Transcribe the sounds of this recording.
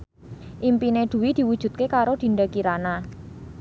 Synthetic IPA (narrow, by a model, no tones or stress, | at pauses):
ʔimpined̪̥ṳwid̪̥i̤wud̥ʒ̥ṳt̪̚kekaɾod̪̥i̤ɳɖakiɾana